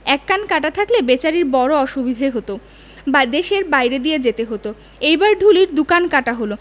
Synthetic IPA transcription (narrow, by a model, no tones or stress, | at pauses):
ɛkːankaʈat̪ʰaklebet͡ɕaɾiɾbɔɾoɔʃubid̪ʱeɦot̪o | bad̪eʃeɾbajɾed̪ijed͡ʑet̪eɦot̪o | ejbaɾɖʱuliɾd̪ukankaʈaɦolo